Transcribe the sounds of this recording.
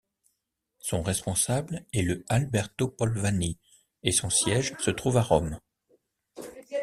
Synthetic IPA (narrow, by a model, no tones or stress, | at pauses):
sɔ̃ʁɛspɔ̃sablɛləalbɛʁt̪opɔlvani | esɔ̃sjɛʒsət̪χuvaʁɔm